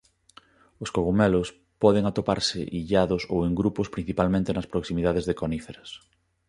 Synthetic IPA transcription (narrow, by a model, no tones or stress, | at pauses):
ʊskoɣumɛlos | pɔðeŋat̪opa̰ɾseʔiʎaðʊsoweŋɡɾupospɾĩn̟θipalmẽnt̪enɐspɾoksimiðaðezðekonifeɾɐs